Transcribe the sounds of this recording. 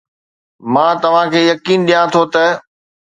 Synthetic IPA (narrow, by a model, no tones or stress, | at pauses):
mãːt̪ɐʋ̤ãkʰeːjɐkiːnɗijãt̪ʰot̪ɐ